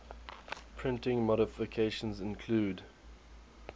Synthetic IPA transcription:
pʰɹ̥ɪ̃ntɪ̃ŋmɔɾɪfɪkʰeʃə̃nzɪ̃nkʰluːd

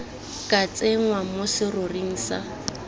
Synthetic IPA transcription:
kʼat͡sʼeŋ̩wamʊsɪrʊriŋ̩ːsa̰

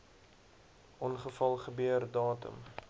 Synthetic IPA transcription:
ʔɔnχəfɐlˠχəbøərdɑːtə̰m

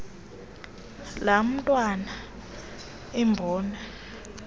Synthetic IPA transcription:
lam̩tʼwana | imbʱɔːna

